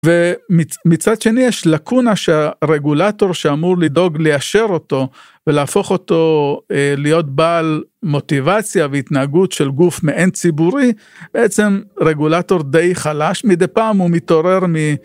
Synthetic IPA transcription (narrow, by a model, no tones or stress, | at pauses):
vemimit͡sad̪ʃe̞nijeʃlakunaʃeaʁe̞ɡulato̞ʁʃeamuʁlid̪o̞ɡlejaʃeʁo̞to̞ | velaːfo̞χo̞t̪o̞ | lijo̞tbaːlmo̞t̪ivat͡sjaveit̪naːɡutʃelɡufmeʔent͡sibuʁi | b̥eʔet͡se̞mʁe̞ɡulato̞ʁd̪ejχalaʃmid̪epaːmumito̞ʁe̞ʁmi